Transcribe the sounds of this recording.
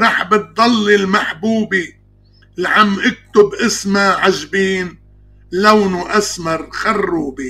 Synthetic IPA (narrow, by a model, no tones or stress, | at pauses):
ɾˤɑːħbɨt̪̚d̪ˤɑlːilmaħbuːbi | lʕamːʔɪk̚t̪ʊbʔɪsmaʕaʒbiːn | lawnuʔasmɑɾˤxɑrˤːuːbi